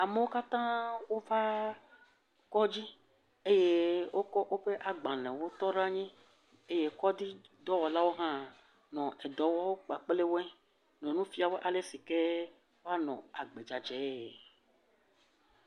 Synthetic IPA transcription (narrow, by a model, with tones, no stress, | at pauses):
a˨me˦wo˦ka˦t̪ã˦wo˦va˦ | kɔ˦d͡ʑi˦ | e˦je˦wʔo˦kɔ˦ʔo˦ɸe˦ʔa˨ɡ͡bã˨lɛ̃˨wo˦t̪ɔ˦ɖa˦ɲɛ̃˦ | e˦je˦kɔ˦d̪i˦d̪ɔ˦wɔ˨la˦wo˦ɦã˦ | nɔ̃˨ʔɛ˨d̪ɔ˨wɔ˦wo˦k͡pa˨k͡ple˦wo˦ɛ˦ | nɔ̃˨nũ˦fi˦a˨we˦ʔa˨le˦si˨ke˦ | wo˦a˦nɔ̰̃˨a˨ɡ͡be˨d͡ʒa˨d͡ʒɛ˨˦˨